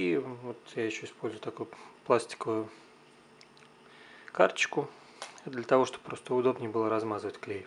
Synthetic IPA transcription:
ivo̞t̪jaɪɕːoɪspo̞lʲzʊjʊt̪ɐkojʊplˠasʲtʲɪ̥kəvʊjʊ | ka̰rt͡ɕɪkʊ | d̪lʲət̪ɐvo̞ʂt̪oppːɾo̞st̪əʊd̪o̞bnʲɪjəbɨlˠəɾɐzmazɨvətʲklʲejʲɪ

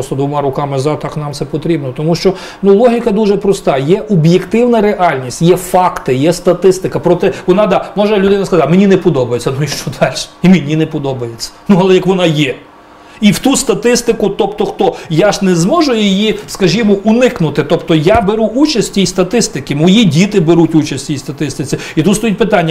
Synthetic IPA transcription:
ɔst̪ɔd̪ʋɔmɑɾʊkɑmɪzɑt̪ɑknɑmtsɛpɔt̪ɾʲibnɔt̪ɔmuʃt͡ʃɔ | nulˠɔɦʲikɐd̪uʒɛpɾɔst̪ɑjɛʔɔbjekt̪ɪwnɐɾeʔɑlʲnʲisʲtʲjɛfɑkt̪ɪjɛst̪ɐt̪ɪst̪ɪkɐpɾɔt̪ɛʋɔnɑd̪ɑmɔʒɛlʲʊd̪ɪnɐskɐzamenʲinɛpɔd̪ɔbɐjet͡sʲːɐnuiʃt͡ʃɔd̪ɑlʲʃɛ̥imenʲinɛpɔd̪ɔbɐjet͡sʲːɐ̥nuɐlˠɛjɐkʋɔnɑjɛ | iwt̪ust̪ɐt̪ɪst̪ɪkʊt̪ɔpt̪ɔxt̪ɔjaʒnɛzmɔʒʊjɪjiskɐʒʲimɔʔʊnɪknʊt̪ɪt̪ɔpt̪ɔjabeɾuʔut͡ʃɐsʲtʲtʲijst̪ɐt̪ɪst̪ɪkɪmɔjidʲit̪ɪbeɾutʲut͡ʃɐsʲtʲtʲijst̪ɐt̪ɪst̪ɪt͡sʲɪ | it̪ut̪st̪ɔjit̚ʲpɪt̪ɑnʲːɐ

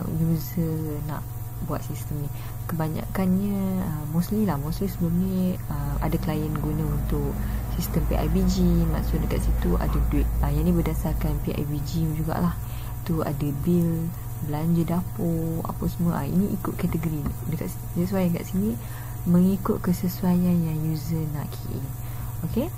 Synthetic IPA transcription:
juzəna̰ʔ | buat̪̚sist̪əmnĩ | kəbaɲã̰kanɲə̃əmɔslilahmɔslisəbəlumniəma̰daklajənɡunə̃unt̪ʊksist̪əmpiʔa̰jbid͡ʒima̰ʔsʊt̚dəkat̪sit̪ua̰daduɪt̪̚əjanĩbədasarkanpiʔa̰jbid͡ʒid͡ʒuɡa̰ʔlah | t̪ua̰dabil | blaɲd͡ʒədapoa̰pasəmə̃ʔa̰ḭniʔḭkʊt̪̚kat̪əɡoɾidəka̰ʔ | səsuajanka̰ʔsini | mə̃ŋikʊt̪̚kəsəsuajanjaŋjuzənaʔkʰiʔḭ | oke

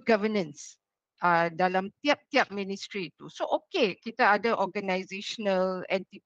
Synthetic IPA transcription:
ɡavənə̃ns | ʔadalamt̪iap̚t̪iap̚mĩnistɾit̪usoʔokekit̪aadəʔɔɡanajzeʃənəlɛ̃nt̪i

